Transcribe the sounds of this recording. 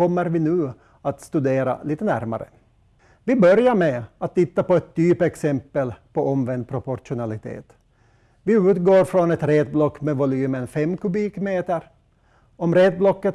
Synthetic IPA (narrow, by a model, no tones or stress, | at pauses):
ɔmːəɾvɪnʉ̟ː | at̪st̪ʉd̪eːɾa̰liːt̪ənæɾma̰ɾə̰ | vɪbœɾjaɾmɛat̪ʰːɪt̪ːapɔɛt̪ʰːyːpɛksɛmpːəlpʰɔʔɔmvɛnd̪̚pʰɾʊpɔɾʂʊnalɪt̪ʰḛːt̪ | vɪʉ̟ːt̪ɡoːɾfɾɔnɛt̪ɾeːt̪̚blɔkːmɛvʊlyːmənfɛmːkʉbiːkmeːt̪əɾ | ɔmɾeːt̪̚blɔkːət̪